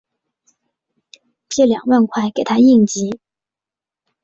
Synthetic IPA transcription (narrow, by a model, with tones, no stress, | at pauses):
t͡ɕjɛ˥˩ljɑ̰˨˩ŋwa˥˧nkʰwa˥˩ɪke˨˩ɪt̪ʰa˥i˥˩ŋt͡ɕi˧˥